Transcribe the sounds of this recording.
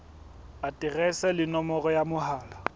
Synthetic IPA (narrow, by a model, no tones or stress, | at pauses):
atʼɪrɛsɛlɪnɔmɔɣɔjamʊhaːla